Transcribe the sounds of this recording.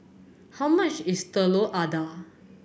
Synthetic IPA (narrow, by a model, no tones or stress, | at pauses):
həməɕist̪əloʔad̪a